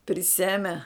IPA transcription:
pʲrʲɪˈsʲæːmʲɛ

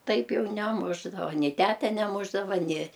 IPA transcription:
ˈtɐɪp ˈjɛʊ nʲɛˈmʊʒdɐʋɐ nʲɪ ˈtʲætʲɛ nʲɛˈmʊʒdɐʋɐ nʲɪ

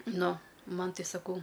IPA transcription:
ˈnʊ ˈmɐn ˈtɐɪ sɐˈkɐʊ

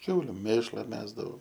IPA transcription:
ˈkʲɛʊlʲʊ ˈmʲeːʃlˠɐ ˈmʲæːzdɐʋɐʊ

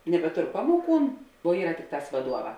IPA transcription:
nʲɛbʲɛˈtoːr ˈpɑːmoːˌkuːn oː ˈiːrɐ ˈtʲɪkˌtɑːs ʋɐˈduɔˌʋɑː

